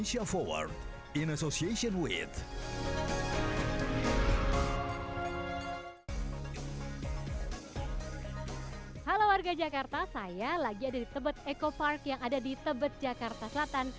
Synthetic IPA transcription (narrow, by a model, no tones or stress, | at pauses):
nʃiafɔwa̰rd | ĩnasosieʃɔ̃nwḭθ | halawarɡad͡ʒakart̪asajalaɡiadadit̪əbət̪̚ekoparkjaŋadadit̪əbət̪̚d͡ʒakart̪asəlat̪an